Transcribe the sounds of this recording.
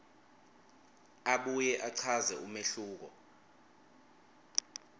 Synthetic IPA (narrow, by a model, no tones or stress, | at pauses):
aɓujɛʔaǀʰazɛumeɬuːk̬ɔ